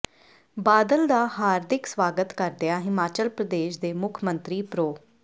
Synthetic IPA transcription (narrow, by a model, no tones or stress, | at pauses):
baːd̪əld̪aːhaːɾd̪ɪksʋaːɡət̪kəɾd̪eaːɦɪmaːt͡ʃəlpɾəd̪eːʃd̪eːmʊkʰmənt̪ɾiːpɾoː